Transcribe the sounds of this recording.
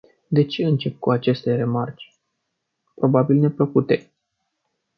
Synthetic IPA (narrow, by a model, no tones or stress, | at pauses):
d̪e̞t͡ʃeɨnt͡ʃe̞p̚kuat͡ʃe̞st̪ere̞mart͡ʃʲ | pɾo̞babilne̞pləkut̪e̞